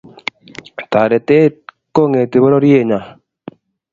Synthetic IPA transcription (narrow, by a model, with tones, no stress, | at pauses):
t̪a˨ɾe˨te˦t | ko˦ŋe˨t̪e˨bɔ˦ɾɔ˦ɾje˦˨ɲa˨